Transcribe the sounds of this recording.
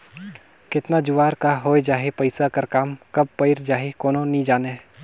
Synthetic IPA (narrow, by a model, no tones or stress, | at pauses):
kɪt̪nad͡ʒʊʋaːɾkaɦoːed͡ʒaːɦepəɪsakɐɾkaːmkɐb̚pəɪɾd͡ʒaːɦekoːnonĩd͡ʒaːne